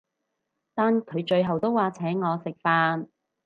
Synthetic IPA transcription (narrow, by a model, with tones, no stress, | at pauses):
t̪aː˨nkʰɵ˨˧ɥt͡ʃɵ˧ɥɦɐ˨wt̪o˥wːaː˨˧t͡sʰɛː˨˥ŋɔː˨˧sɪ˨k̚faː˧n